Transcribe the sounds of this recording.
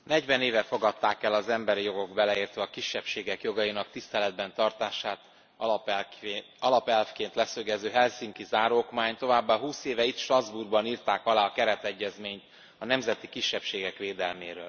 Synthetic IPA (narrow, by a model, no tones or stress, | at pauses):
nɛɟvɛneːvɛfo̞ɡɒt̪ːaːkɛlɒzɛmbɛɾijo̞ɡo̞ɡbɛlɛiːrt̪ʋɛɒkiʃːɛpʃeːɡɛkjo̞ɡɒjinɒk̚t̪ist̪ɛlɛd̪̚bɛnt̪ɒrt̪aːʃaːt̪ | ɒlɒpɛlfkeːnt̪lɛsøɡɛzøːɦɛlsiŋkizaːɾoːkmaːɲt̪o̞vaːbːaɦuːseːvɛit̪ʃt̪rɒzburɡbɒniːrt̪aːkɒlaːɒkɛɾɛt̪ɛɟːɛzmeːɲt̪ | ɒnɛmzɛt̪ikiʃːɛpʃeːɡɛkʋeːd̪ɛlmeːɾø̰ːl